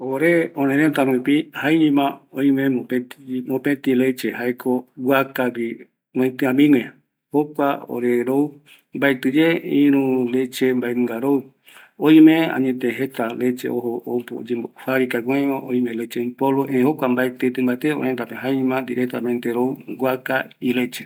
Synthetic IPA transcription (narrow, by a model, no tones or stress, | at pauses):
oɾeõnẽɾẽnt̪aɾũĩpihaiɲĩmãõĩmẽmopet̪imõpẽt̪ilet͡ʃeɦaekʰowwakaβi | nõĩt̪ɨãmĩŋẽ | hokʷao̰ɾeɾou | mbaet̪ɨd͡ʒeĩɾũlet͡ʃembaenɨ̃ŋɡaɾou | õĩmẽã̰ɲẽt̪ẽɦet̪alet͡ʃḛoɦoopd͡ʒeohaɾikaɡweõʔõĩmẽlet͡ʃepoloʔẽhokʷambaet̪et̪ɨ̃mbaet̪eo̰hẽnd̪apẽɦaeɲĩmãnd̪iɾek̚t̪amẽnt̪eɾouɡʷakailet͡ʃe